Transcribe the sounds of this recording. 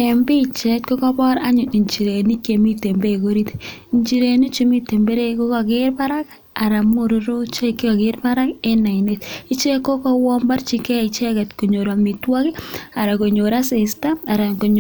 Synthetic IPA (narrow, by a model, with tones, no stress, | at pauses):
e˨mbi˦t͡ʃɛ˦t̚ko˦kɔ˦bɔ˦ɾa˦ɲʊ˨ni˨ɲt͡ʃi˨ɾe˨ni˦ke˨mi˦te˨mbe˦˨ko˦ɾi˦t | i˨ɲt͡ʃi˨ɾe˨ni˦t͡ʃi˨mi˦te˨mbe˦ɾe˦ko˦kɔ˨kɪ˦ɾpa˦ɾa˦k | a˨ɾa˨mo˦ɾʊ˦ɾo˦t͡ʃe˦kːi˦ɔ˨kɪ˦ɾpa˦ɾa˦ke˦na˨i˨ne˨t̚i˦t͡ʃe˦ko˦kɔ˦wɔ˦mba˦ɾt͡ʃi˦kɛ˦i˨t͡ʃe˦kɛ˨tko˨ɲo˨ɾa˨mi˨twa˦ki˦a˨ɾa˨ko˨ɲo˨ɾa˦se˨sta˦a˨ɾa˨ko˨ɲ